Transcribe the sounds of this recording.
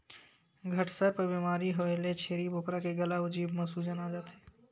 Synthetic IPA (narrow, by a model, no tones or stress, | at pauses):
ɡʱəʈsəɾpəbiːmaːɾiɦoelet͡ʃʰeːɾibʱoːkɾakeɡɐlaʊd͡ʒiːbmɐsuːd͡ʒənaːd͡ʒaːt̪ɦɛː